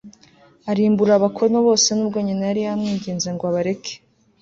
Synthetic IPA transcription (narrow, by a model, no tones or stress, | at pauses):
aɾiːmbuɾaβakʰo̞noβo̞ːse̞nuːb̚ɡo̞ːɲinajaɾijamŋiːɲɟeːnzaŋɡoaβaɾe̞kʰe̥